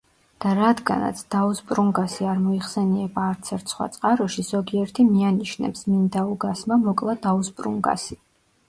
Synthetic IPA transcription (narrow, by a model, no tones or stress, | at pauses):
d̪̥aɾad̪ɡa̰na̰t̪sʰd̪̥auspʼɾuŋɡasiaɾmɔiχsɛniɛbaːɾt̪sʰɛɾt̪ʰsχwa̰t̪sʼqʼaɾɔʃiz̥ɔɡiɛɾt̪ʰimianiʃnɛ̰psmind̪auɡasmamɔkʼlˠad̪auspʼɾṵŋɡa̰si